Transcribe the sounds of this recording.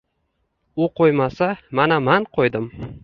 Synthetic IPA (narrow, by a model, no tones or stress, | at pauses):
ʊqʰojmasamanamanqʰojd̪ɪm